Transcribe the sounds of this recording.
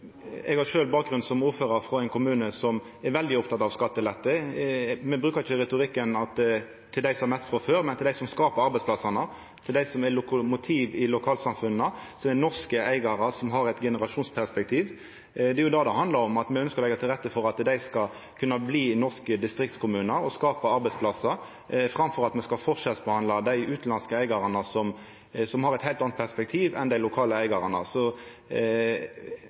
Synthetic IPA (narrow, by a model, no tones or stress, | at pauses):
ɛɡhɑɾʃøːlbɑːk̚ɡɾʉnsɔmuːɾføːɾɑɾfɾɔæɪnkʊmʉːnəsɔm | ɛɾʋɛld̪ɪɔpt̪ʰɑt̪ːɑʋskɑt̪ːəlɛt̪ːə | mɛbɾʉːkɑɾɪçəɾɛt̪ʊʁɪkːənɑt̪ | t̪ʰːɪld̪æɪsɔɛmɛst̪fʁɔføːɾmɛnt̪ɪld̪æɪsɔmskɑːpəɾɑɾbɛɪsplɑsɑnə | t̪ʰɪld̪æɪsɔmɛlʊkʊmʊt̪ʰiːʋɪlʊkʰɑːlsɑmfʉnːəsɔmɛnɔʁskəæɪɡɑɾəsɔmɦɑɾɛɪt̪ɡɛnəɾɑʃuːnspʰæʁspɛk̚t̪ʰiːʋ | d̪ɛɾjʊd̪ɑːd̪ɛhɑnd̪lɑɾɔmɑt̪mɛœnskəɾlɛɪɡɑt̪ʰɪlʁɾɛt̪ːəfɔɾɑt̪d̪æɪskɑ | kʰʉnːɑbliːnɔʁskəd̪ɪst̪ɾɪk̚t̪skʊmʉːnəɾɔskɑːpɑɑɾbɛspʰlɑsə | fɾɑmfɔɾɑt̪mɛskɑlfɔʁʂɛt̪sbəhɑnd̪lɑd̪æɪʉːt̪lɑnskəæɪɡɑɾɑnəsɔm | sɔmhɑɾɛt̪hæɪlt̪ɑnt̪pʰæʁspɛkt̪ʰiːʋɛ̰nd̪æɪlʊkʰɑːləæɪɡɑʁɑnə̰sɔ